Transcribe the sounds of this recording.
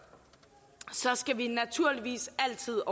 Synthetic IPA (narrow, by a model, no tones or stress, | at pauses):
sɒ̽sɡ̥æʋinæt͡sʰuɐ̰liʋḭːsæl̰t͡sʰið̰ˠɒ